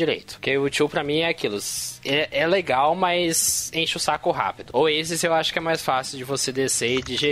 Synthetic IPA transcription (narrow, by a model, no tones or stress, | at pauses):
iɾḛjt̪ʊ̥kɪʊt͡ʃiwpɾɐmĩɛakilʊsɛʔɛleɡawmɐjzẽʃʊsakʊɦa̰pid̪ʊoesɪzewaʃʊ̥kɪɛmajsfasiwd͡ʒɪvosed̪eseɪd͡ʒɪʒe